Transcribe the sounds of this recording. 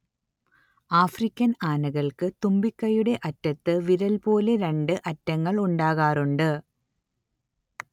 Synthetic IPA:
aːfrikʲːɐnaːnɐɣɐɭkɨt̪umbikːɐjuɽe̞ʔɐtːɐt̪ːɨʋiɾɐlpo̞ːle̞ɾeɳɖɨʔɐtːɐŋːɐɭuɳɖaːɣaːruɳɖɨ

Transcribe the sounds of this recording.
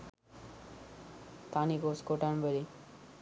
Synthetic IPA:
t̪anikoskoʈanbeɾi

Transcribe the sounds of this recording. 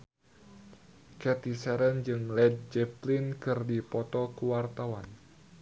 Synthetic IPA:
kɛt̪isɛɾənd͡ʒɨŋlɛd̚d͡ʒɛplinkɨrdipɔt̪ɔkuwart̪awan

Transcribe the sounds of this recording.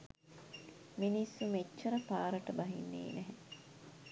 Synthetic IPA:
minisːumet͡ʃːɐɾɐpaːɾɐʈɐbɐɦinːḛːnæɦe

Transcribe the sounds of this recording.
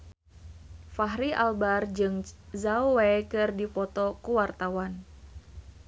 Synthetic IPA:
faɦɾiʔalbard͡ʒɨŋzauwekɨrdipɔt̪ɔkuwart̪awan

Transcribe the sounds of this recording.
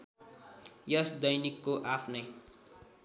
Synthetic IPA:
jʌsd̪ʌjnikːoʔapʰnʌj

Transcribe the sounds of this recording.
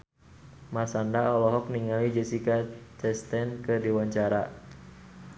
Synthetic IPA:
masandaɔlɔɦɔk̚niŋalid͡ʒɛsikat͡ʃɛst̪ɛnkədiwaɲt͡ʃaɾa

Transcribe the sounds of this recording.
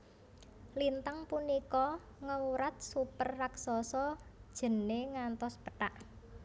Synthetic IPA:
lint̪aŋpunikɔ | ŋəuɾat̪̚supərːaksɔsɔd̥ʒ̥ə̤neŋant̪ɔspəʈaʔ

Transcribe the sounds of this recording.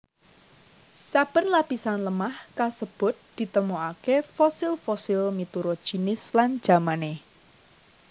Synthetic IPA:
sab̥ənlapisanləmahkalsəb̥ʊ̤t̪̚d̪̥i̤t̪əmoakefɔsɪlfɔsɪlmit̪uɾɔd̥ʒ̥i̤nɪslan̥ʒ̥a̤mane

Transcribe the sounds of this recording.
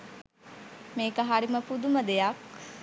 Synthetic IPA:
meːkəɦaɾiməpud̪uməd̪ejak

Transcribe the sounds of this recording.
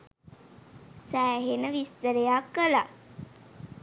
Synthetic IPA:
sæːɦenəʋist̪əɾejakːəla̰

